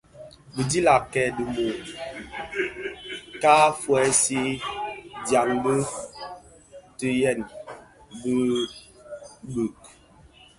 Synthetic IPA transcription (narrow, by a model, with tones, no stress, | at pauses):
bi˨di˦la˨kɛ˨də˨mo˨ | kaː˦fwɛ˨˦si˦ | dja˨ŋbə˦ | tə˨jɛ˦˨n | bə˦ | bʉ˨k̚